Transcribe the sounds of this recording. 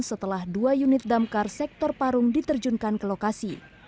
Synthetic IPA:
sət̪əlahduajunɪt̪̚damkarsɛk̚t̪ɔrpaɾʊŋdit̪ərd͡ʒuŋkankəlokasi

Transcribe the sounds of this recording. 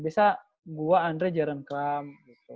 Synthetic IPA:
biasa | ɡuwaːnɾɛd͡ʒaɾankɾam

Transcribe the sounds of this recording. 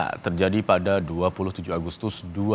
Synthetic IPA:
t̪ərd͡ʒadipadaduapulʊht̪ud͡ʒʊaɡust̪ʊsdu

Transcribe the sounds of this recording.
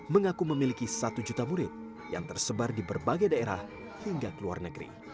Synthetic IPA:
məŋakuməmilikisat̪ud͡ʒut̪amuɾɪt̪̚ | ja̰ŋt̪ərsəbardibərbaɡajdaeɾa̰h | hiŋɡakəlua̰rnəɡɾḭ

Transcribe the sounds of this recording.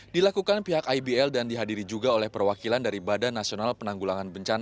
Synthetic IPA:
dilakukanpiɦakajbiɛldandiɦadiɾid͡ʒuɡaolɛhpərwakilandaɾibadanːasionalpənaŋɡulaŋanbəɲt͡ʃana

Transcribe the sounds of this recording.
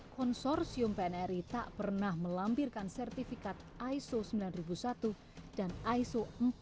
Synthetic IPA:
kɔnsɔrsiʊmpɛnɛɾit̪aʔpərnahməlampirkansɛrt̪ifikat̪̚ʔajsosəmbilanribusat̪u | d̥anaisom

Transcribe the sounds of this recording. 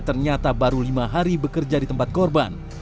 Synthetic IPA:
t̪ərɲat̪abaɾulimaɦaɾibəkərd͡ʒadit̪əmpat̪̚kɔrba̰n

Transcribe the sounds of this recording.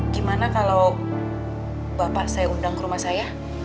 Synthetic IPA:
ɡimanakalaw | bapaʔsajaundaŋkəɾumahsaja

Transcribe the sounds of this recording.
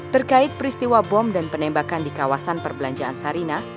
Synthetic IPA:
t̪ərkaɪt̪̚pəɾist̪iwabɔmdanpənɛmbakandikawasanpərbəlaɲd͡ʒaansaɾina

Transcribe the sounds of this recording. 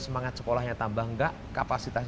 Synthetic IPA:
səmaŋat̪̚sə̥kolahɲat̪ambahŋɡaʔ | kapasit̪as

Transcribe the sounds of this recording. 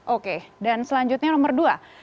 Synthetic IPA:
ʔokedansəlaɲd͡ʒut̪̚ɲanomərdua

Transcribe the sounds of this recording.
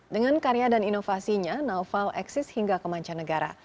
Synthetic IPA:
dəŋankaɾejadaninofasiɲanawfalʔɛksɪshiŋɡakəmaɲt͡ʃanːəɡaɾa̰

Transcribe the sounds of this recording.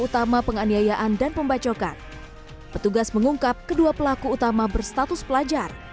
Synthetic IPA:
ut̪amapəŋaniajaʔandanpəmbat͡ʃoka̰n | pət̪uɡasməŋuŋkap̚kəduapəlakuːt̪amabərst̪at̪ʊspəlad͡ʒar

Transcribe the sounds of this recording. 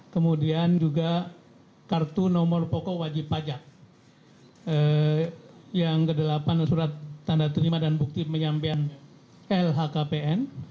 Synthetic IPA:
kəmudiand͡ʒuɡa | kart̪unɔmɔrpɔkɔwad͡ʒipːad͡ʒak̚ | ə | jaŋkədəlapansuɾat̪ːandat̪əɾimadanbuk̚t̪iməɲampean | ɛlɦakapeɛn

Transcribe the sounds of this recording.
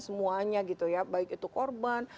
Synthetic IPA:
səmuaɲaɡit̪ujabaɪkit̪ukorban

